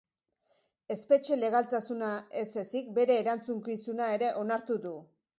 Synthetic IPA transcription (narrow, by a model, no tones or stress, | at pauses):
e̞spe̞t͡ʃe̞le̞ɣ̞alt̪asunae̞se̞sik̚be̞ɾe̞ːɾant͡suŋkisunae̞ɾe̞ʔo̞naɾt̪uðu